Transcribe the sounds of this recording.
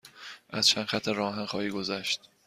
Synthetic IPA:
ʔæz̥t͡ʃʰænxæt̪ʰːeɾɒːɦænxɒːhiːɡozæʃt̪

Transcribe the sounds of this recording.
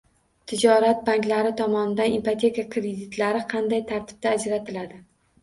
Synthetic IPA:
t̪ʰɪd͡ʒɒɾat̪̚baŋkʲlaɾɪt̪ʰɒmɒnɪd̪anempat̪ʲʰe̞kakʰɾed̪ɪt̪laɾɪqʰɑnd̪ajt̪ʰaɾt̪ʰɪ̥b̥̚t̪aːd͡ʒɾat̪ʰɪlad̪ɪ

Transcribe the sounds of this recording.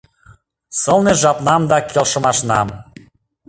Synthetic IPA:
sɤlneʒɑpnɑmd̪ɑkʰelʃə̆mɑʃnɑ̰m

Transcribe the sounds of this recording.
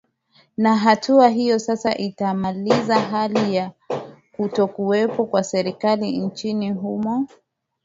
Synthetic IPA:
naɦatʰuaɦijɔsasaʔitamalizaɦalija | kutɔkuɛpɔkwasɛɾikalint͡ʃiniɦumɔ

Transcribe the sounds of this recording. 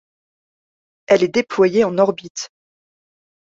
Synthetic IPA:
ɛlɛd̪eplwajeɑ̃nɔʁbit̪

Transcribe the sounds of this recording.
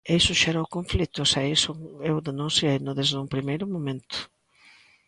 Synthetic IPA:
isʊʃɛɾawkoɱflit̪ʊsaesoewðenũnsjejnʊðezðuŋpɾimejɾʊmomẽnt̪ʊ̥

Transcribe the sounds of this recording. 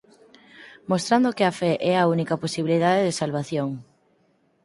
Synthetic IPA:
most̪ɾand̪okɪafɛʔɛɐunikɐposiβiliðaðeðesalβaθjoŋ

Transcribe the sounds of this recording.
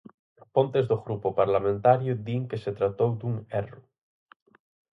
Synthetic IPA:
põnt̪ezðoɣɾupopaɾlamẽnt̪aɾjod̪iŋkeset̪ɾat̪owd̪uŋero

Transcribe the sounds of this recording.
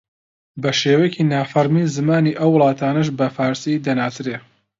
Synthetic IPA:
bɐʃeːwejeciːnaːfɐɾmizɨmaːniːʔɐwːʊlˠɑːt̪ʰaːnɐʃ̬bɐfaːɾsid̪ɐnaːt̪ʰɨɾeː

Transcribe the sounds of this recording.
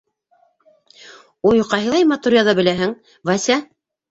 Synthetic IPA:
ojqɑɦɤ̆lˠɑjmɑt̪uɾʲjaðɑbɘ̆læɦɘŋ | vɑsʲæ

